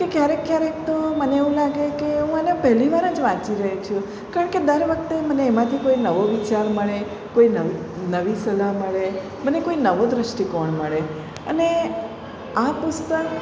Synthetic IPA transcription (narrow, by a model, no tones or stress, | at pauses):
kekjaɾekːjaɾek̚t̪oməneeʋũlaɡekeɦũənepɛɦliʋaɾə̃d͡ʒʋãt͡ʃiɾəɦet͡ʃʰũ | kaɾəɳked̪əɾʋək̚t̪eməneːmãt̪ʰikoinəʋoʋit͡ʃaɾməɭe | koinəʋi | nəʋisəlaməɭe | mənekoinəʋod̪ɾəʃʈikɔɳməɭe | ə̰ne | apʊst̪ək